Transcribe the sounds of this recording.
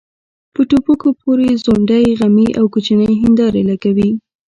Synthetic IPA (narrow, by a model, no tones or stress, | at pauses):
pəʈopukopoɾezoɳɖajɣamiʔawkot͡ʃanəjɦɪnd̪ɑɾelaɡawi